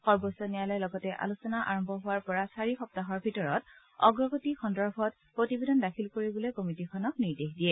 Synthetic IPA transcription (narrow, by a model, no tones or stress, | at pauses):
xɔɹbosɔnijalɔjlɔɡɔtɛʔa̰lusɔnaʔa̰ɹɔmbʱɔɦʊwaɹpɔɹasaɹixɔp̚taɦɔɹbʱitɔɹɔt | ɔɡɹɔɡotixɔndɔɹbʱɔt̚ | pɹotibedɔndakʰilkoɹibulekomitikʰɔnɔkniɹdexdiɛ